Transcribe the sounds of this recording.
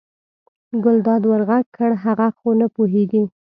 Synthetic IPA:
ɡʊld̪ɑd̪waɾɣaɡ̚kʰəɽɦaɣaxonapoɦeɡi

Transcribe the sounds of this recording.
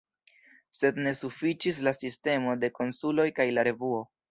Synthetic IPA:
se̞dne̞sufit͡ʃis̬lasiste̞mo̞de̞ko̞nsulo̞jkajlaɾe̞vuo̞

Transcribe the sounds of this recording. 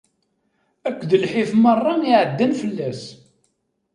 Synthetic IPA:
ækʷːðəlħifmərˤːɑiʕəd̪ːænfəlːæs

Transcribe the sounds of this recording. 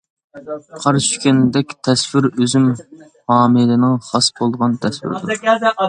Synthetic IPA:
qʰɑɾʃy̥kʲɛnd̪ɛkʲt̪ʰɛswɪɾøzym | hɑːmɨlɪnɪŋχɑsbolˠd̪ʁɑnt̪ʰɛswɪ̰ɾd̪uɾ

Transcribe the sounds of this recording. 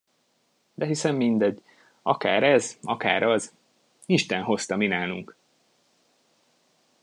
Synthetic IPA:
d̪ɛɦisɛmːind̪ɛɟ | ɒ̰kaːɾɛzɒka̰ːɾʔɒz | iʃt̪ɛnɦo̞st̪ɒminaːluŋk

